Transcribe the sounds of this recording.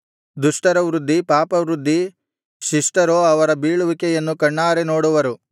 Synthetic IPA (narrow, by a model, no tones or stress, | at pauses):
d̪uʂʈɐɾɐʋɾud̪ʱːipaːpɐʋɾud̪ʱːi | ʃiʂʈɐɾoːɐʋɐɾɐbiːɭuʋikɛjɐnːukɐɳːaːɾenoːɽuʋɐɾu